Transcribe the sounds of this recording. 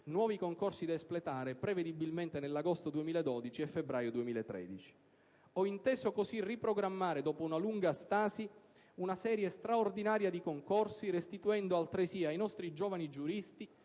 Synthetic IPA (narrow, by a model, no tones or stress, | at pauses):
nwɔːvikoŋkorsid̪aesplet̪aːɾepɾeved̪ibilment̪enelːaɡost̪od̪uemiːlaed̪ɔd̪it͡ʃiɛfːebɾaːjod̪uemiːlaet̪ːɾɛ̰ːd̪it͡ʃi̥ | ɔint̪eːzokosirːipɾoɡɾamːaːɾed̪ɔːpounaluŋɡast̪aːzi | unasɛːɾjest̪ɾaord̪inaːɾjad̪ikoŋkorsiɾest̪it̪uɛnd̪oalt̪ɾesiajnɔst̪ɾid͡ʒɔːvanid͡ʒuɾist̪i